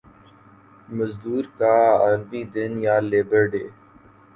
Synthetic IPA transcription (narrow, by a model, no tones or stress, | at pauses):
məzd̪uːɾkaːəɾbiːd̪ɪnjaːleːbəɾɖeː